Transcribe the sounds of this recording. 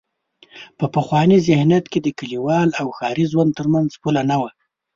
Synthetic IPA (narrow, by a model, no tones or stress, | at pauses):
pəpəxwɑnizɪhnat̪ked̪əkaliwɑlawxɑɾizwand̪̚t̪əɾmanzpulanawa